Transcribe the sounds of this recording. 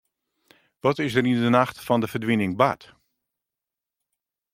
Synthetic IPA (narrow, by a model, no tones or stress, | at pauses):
ʋɔtɪsdərindənaxtfɔndəvərdʋinɪŋba̰t